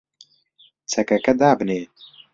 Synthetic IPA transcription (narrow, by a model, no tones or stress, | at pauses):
t͡sʰɛkɛkɛd̪aːbɨneː